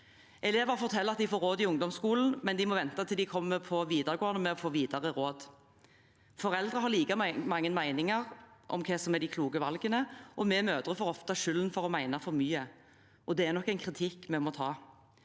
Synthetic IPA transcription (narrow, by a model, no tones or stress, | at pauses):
ʔɛleːʋəʁfɔʁt̪ʰɛlːəɑt̪d̪ɪfoːɾoːd̪ɪʊŋd̪ɔmskuːln̩mɛnd̪ɪmɔʋɛnt̪ɑt̪ʰɪld̪ɪkʰɔmːəpʰɔʋiːd̪ɑʁɡoːɑnəmɛɔfoːʋiːd̪ɑʁəʁoːd̪ | fɔʁɛld̪ʁəɦɑʁliːkɑmɑŋːənmæɪnɪŋɑʁʔɔ̰mkʰɛsɔmɛd̪ɪkʰluːɡəʋɑlɡənəʔɔmɛmøːd̪ʁəfɔʁɔft̪ɑʃʏlnfɔʁɔmæɪnɑfɔɾmyːə | ʔɔd̪ɛæɾnɔkːæɪnkʰʁɪt̪ʰɪkːmɛmɔt̪ʰɑː